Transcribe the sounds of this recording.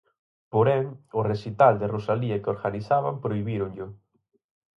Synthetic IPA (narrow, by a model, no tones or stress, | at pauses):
poɾɛŋʊresit̪ald̪ɪrosaliɐkoɾɣaniθaβampɾoiβiɾʊŋʎʊ